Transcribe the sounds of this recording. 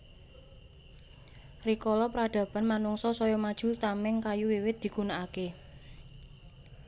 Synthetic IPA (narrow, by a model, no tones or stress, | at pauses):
rikɔlɔpɾad̪̥ä̤b̥a̤nmanuŋsɔsɔjɔmad̥ʒ̥ṳt̪amɪŋkajuwiwɪt̪̚d̥̪i̤ɡ̥unaake